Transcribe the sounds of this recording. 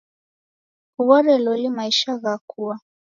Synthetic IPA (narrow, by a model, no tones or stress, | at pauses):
huβaɾɛlɔlimaiʃaɣakʰua